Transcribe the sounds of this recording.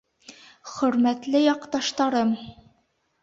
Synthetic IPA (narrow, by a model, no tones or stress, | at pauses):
χɵ̆ɾmæt̪lɘjɒqt̪ɑʃt̪ɑɾɤm